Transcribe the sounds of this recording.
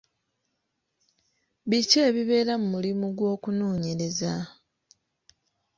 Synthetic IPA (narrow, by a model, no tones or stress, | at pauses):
βiceːβiβe̞ːɾamumulimuɡwo̞ːkunoːɲeɾe̞za